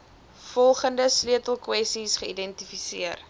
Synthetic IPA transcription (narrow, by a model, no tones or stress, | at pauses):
fɔlˠχəndəslyətəlˠkwɛstisχəidɛntifisiər